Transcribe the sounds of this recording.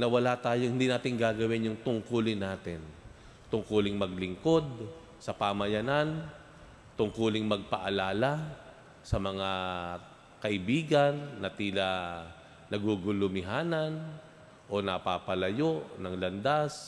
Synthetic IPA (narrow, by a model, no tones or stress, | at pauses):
nɐwɐlat̪aːjohɪnd̪iːnaːt̪ɪŋɡaːɡɐwɪnjʊŋt̪ʊŋkulɪnaːt̪ɪn | t̪ʊŋkuːlɪŋmɐɡ̚lɪŋko̞d̪̚ | sɐpamɐjɐnan | t̪ʊŋkulɪŋmɐɡ̚pɐʔalaːla | sɐmɐŋa | kɐʔɪbiːɡɐnːɐt̪iːla | nɐɡuɡʊlʊmɪɦaːnɐn | ʔo̞nɐpapɐlɐjoʔnɐŋlɐnd̪as